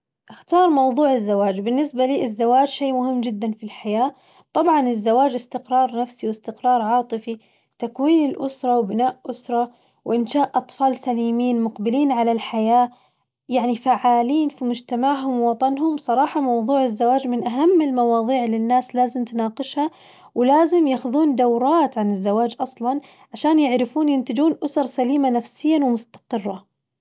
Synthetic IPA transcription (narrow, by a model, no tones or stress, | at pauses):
ʔaxt̪ɑːɾˤmɑwðˤuːʕɪzːawaːd͡ʒbɪnːɪsbaliːʔɪzːawaːd͡ʒʃeːmʊhɪmːd͡ʒɪd̪ːanfilħajaː | t̪ˤɑbʕɑnɪzːawaːd͡ʒɪst̪ɪqɾˤɑːɾˤnafsiwɪst̪ɪqɾˤɑːɾˤʕɑːt̪ˤɨfi | t̪akwiːnɪlʔʊsɾˤɑwbɪnaːʔʔʊsɾˤɑ | wʔɪnʃaːʔʔɑt̪ˤfɑːlsaliːmiːnmʊqbɪliːnʕalalħajaː | jaʕnifaʕaːliːnfimʊd͡ʒt̪amaʕɦʊmwɑt̪ˤɑnɦʊmsˤɑɾˤɑːħɑmɑwðˤuːʕɪzːawaːd͡ʒmɪnʔaɦamːɪlmɑwɑːðˤiːʕlɪnːaːslaːzɪmt̪nɑːqɨʃha | wɪlaːzɪmjaːxʊðuːnd̪awɾˤɑːt̪ʕanɪzːawaːd͡ʒʔɑsˤlɑn | ʕaʃaːnjɪʕɾɪfuːnjɪnt̪ɪd͡ʒuːnʔʊsɑɾˤsaliːmanafsɪjːanwɪmʊst̪ḁqɨrˤːɑ